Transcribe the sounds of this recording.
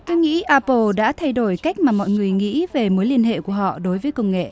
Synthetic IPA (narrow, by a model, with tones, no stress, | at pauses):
t̪o˧˦jŋḭ˧˥ʔaː˧po˧ɗa̰ː˧˥t̪ʰa˧jɗo˧˩jka˦˥jk̟̚maː˨˩mɔ̰˧˨jŋɨ˨˩əjŋḭ˧˥ve˨˩mo˨˦jli˧ənɦḛ˧˨ku˧˩əɦɔ̰˧˨ɗo˨˦jvəː˨˦kə˧wŋ͡mŋḛ˧˨